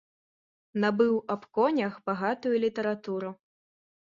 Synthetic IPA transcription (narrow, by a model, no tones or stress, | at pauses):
nɐbɨwɐpkɔnʲɐxbaɣat̪ujulʲit̪ɐɾat̪uɾu